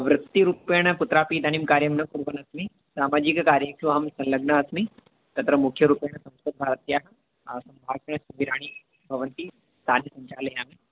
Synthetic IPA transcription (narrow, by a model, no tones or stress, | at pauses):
ʋɾɨt̪ːiɾuːpeːɽ̃ɐput̪ɾaːpid̪animkaːɾjɐmnɐkuɾʋɐnɐsmi | saːmaːd͡ʒikkaːɾjəkʃuʋaːmsɐ̃nlɐɡɳɐɐsmi | t̪ɐt̪ɾɐmukʰjɐɾuːpeːɳ̃ɐsɐ̃mskɐt̪̚bʱaːɾɐt̪jaːɦɐ | sɐ̃mbʱaːʃɐɳɐʃuʋiɾaːɽ̃i | bʱɐʋɐnt̪i | st̪ʰaːnjɐsɐɲt͡ʃaːlɐjaːmi